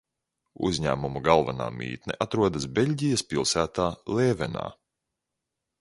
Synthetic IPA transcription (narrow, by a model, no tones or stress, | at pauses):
ṵzʲɲæ̰ːmumuɡalˠvana̰ːmʲḭːt̪nʲɛʔat̪ɾuɔd̪asbʲelʲɟijɐspilˠsæːt̪aːlˠɛːvɛna̰ː